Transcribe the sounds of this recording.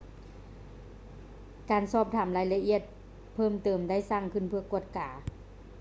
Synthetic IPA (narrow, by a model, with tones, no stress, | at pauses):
kaː˨nsɔː˧˩p̚t̪ʰaː˨˩˦mlaː˧˦jla˧ʔi˧˩˨ət̪̚ | pʰɤː˧˥˩mt̪ɤː˨˩mda˥˨jsaː˧˩˨ŋkʰɯ˧˥˨npʰɯ˧˩ɐku˧˩ət̪̚kaː˨˩˦